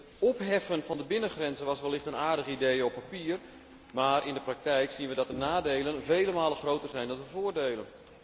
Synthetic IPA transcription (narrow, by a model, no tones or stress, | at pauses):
ɔpɦɛfənfɑndəbɪnəχrɛnzəʋɔsʋɛlˠːɪχtənaːrdəɣəidejəɔpːapiər | maːɾʔɪndəprak̚tɛjksinʋədɔt̚dənaːdeːlˠənveːləmaːlˠəxroːtərzɛjndɔndəvoːərdeːlˠən